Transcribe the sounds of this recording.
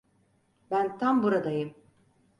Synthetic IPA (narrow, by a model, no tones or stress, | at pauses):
bænt̪ʰambuɾad̪ajɯm